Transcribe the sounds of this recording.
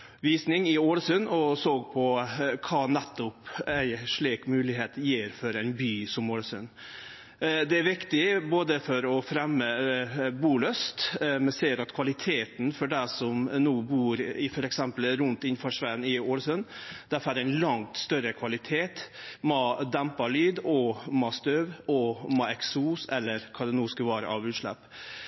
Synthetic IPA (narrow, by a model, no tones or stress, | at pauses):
ʋiːsnɪŋɪoːlsʉnɔsoːɡpʰɔkʰɑːnɛt̪ːʊpæɪʂɭiːkmʉːlɪɦeːt̪jiːɾfɔɾæɪnbyːsɔmoːlsʉn | d̪ɛæɾʋɪkt̪ɪboːd̪əfɔɾɔfɾɛmːəbuːløːst̪mɛsɛːəɾɑt̪kʰʋɑlɪt̪ʰeːt̪n̩fɔɖæɪsɔmnuːbuːɾɪfɔɾɛksɛmpəlɾʉnt̪ɪnfɑʂʋæənɪoːlsœnd̪̥æfæd̪æɪnlɑŋt̪st̪œɾəkʰʋɑlɪt̪ʰeːt̪mɑːd̪ɛmpɑɭyːd̪ɔmɑːst̪øːʋɔmɑɛksuːsɛlːəɾkʰɑd̪ɛnuːskəʋɑːɾə̰ʔɑʋʉːt̪ʂlɛ̰p